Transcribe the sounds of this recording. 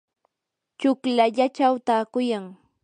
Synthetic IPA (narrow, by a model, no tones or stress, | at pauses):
t͡ʃʊklaʎat͡ʃawt̪aːkʊjaŋ